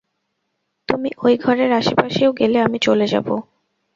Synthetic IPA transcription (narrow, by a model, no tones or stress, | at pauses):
t̪umiʔojɡʱɔɾeɾaʃepaʃeoɡeleamit͡ɕoled͡ʑa̰bo